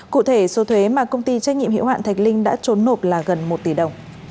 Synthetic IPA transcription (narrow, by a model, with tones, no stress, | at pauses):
kṵ˧˨t̪ʰe˧˩so˨˦t̪ʰwe˨˦maː˨˩kə˧wŋ͡mt̪i˧t͡ɕa˦˥k̟̚ɲḭ˧˨mhḭ˧˥wa̰ː˧˨t̪ʰa˨˩k̟̚lï˧ŋ̟ɗa̰ː˧˥t͡ɕo˨˦nːo˨˩p̚laː˨˩ɣə˨˩nmo˨˩t̚t̪i˧˩ɗə˨˩wŋ͡m